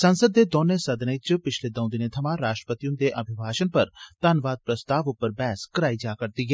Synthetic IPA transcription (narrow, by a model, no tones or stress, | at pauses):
sɐ̃nsəd̪ːed̪ɔːnesɐd̪nəɪt͡ʃpɪt͡ʃʰled̪ɐ̃ʊ̃d̪ɪnet̪ʰɐmãɾaːʃʈɾəpət̪ijũnd̪eʔɐbʱɪbʱaːʃənpɐɾt̪aːnʋaːd̪̚pɾəst̪aːʋʊpəɾbɛːskɐɾaːid͡ʒaːkɐɾt̪iɡə